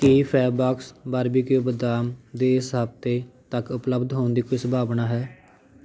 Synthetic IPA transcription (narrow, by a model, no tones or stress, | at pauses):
kipʰɛːbaːksbaɾbiːkɪjoːbəd̪aːmd̪eːɪsɦəbt̪eːt̪əkʊpləbd̪ɦoːnd̪iːkoiːsəbʱaːbnaːɦɛː